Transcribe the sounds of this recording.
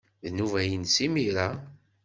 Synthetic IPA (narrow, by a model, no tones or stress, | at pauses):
ðnuvæjənsimiɾa